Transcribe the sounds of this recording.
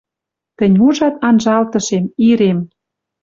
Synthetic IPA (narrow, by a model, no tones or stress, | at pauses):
t̪ə̆nʲuʒɑt̪̚ɑnʒɑlt̪ɤ̆ʃemiɾem